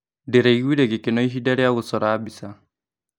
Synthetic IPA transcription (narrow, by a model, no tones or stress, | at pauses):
deɾaiɣwiɾeɣekenɔiɦidaɾjaɣosɔɾaːbisa